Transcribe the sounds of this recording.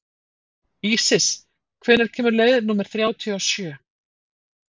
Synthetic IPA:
iːsɪs | kʰvɛnːɛɾ̥cʰɛːmʏɾleːjðnuːmɛɾ̥θɾjaːwt̪ʰiaːwsjœː

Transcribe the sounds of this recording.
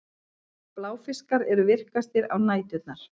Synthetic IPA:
plaːwfɪskaɾɛɾʏvɪr̥kast̪ɪɾawnaːjt̪ʏt̪naɾ̥

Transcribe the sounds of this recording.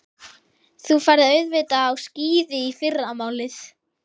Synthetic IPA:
θufaːɾðɪœɥðvɪt̪aːwsciːðɪifɪrːamaːwlɪθ

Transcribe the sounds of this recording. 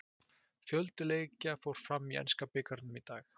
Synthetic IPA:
fjœlt̪ɪleːjcafowɾ̥fɾamːiʔɛ̰nskapɪːkaɾt̪nʏmit̪aːx

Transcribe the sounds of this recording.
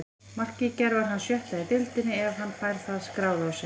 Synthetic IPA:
mar̥cɪcɛɾvaɾ̥ɦanːsjœht̪aðit̪ɪlt̪ɪnːɪɛvɦanːfaːjɾ̥θaðskɾaːwðʏawsɛ

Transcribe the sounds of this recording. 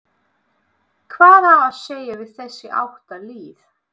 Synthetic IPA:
kʰvaːðaðawseːjavɪð̥θɛsːjɪʔa̰wht̪aliːθ

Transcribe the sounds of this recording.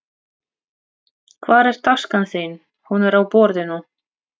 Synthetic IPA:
kʰvaːɾɛɾ̥t̪ʰaskanθin | hunɛɾawpɔːɾðɪnu

